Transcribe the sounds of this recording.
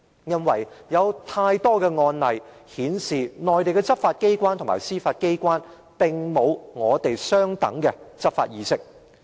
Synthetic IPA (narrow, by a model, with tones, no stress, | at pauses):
jɐ˥nwɐ˨˩jjɐ˨˧wt̪ʰaː˧jt̪ɔː˥kɛː˧ŋɔː˧nlɐ˨jhiː˨˥nsiː˨nɔː˨jt̪e˨jkɛ˧t͡sɐ˥p̚faː˧t̚ke˥jkʷwaː˥nt̪ʰo˨˩ma̰ː˨˩jsiː˥faː˧t̚ke˥jkʷaː˥n | pɪ˨˩ŋmo˨˧wŋɔː˨˧t̪e˨jsœː˥ŋt̪ɐ˨˥ŋkɛː˧t͡sɐ˥p̚fa̰ː˧t̚jiː˨˧sɪ˥k̚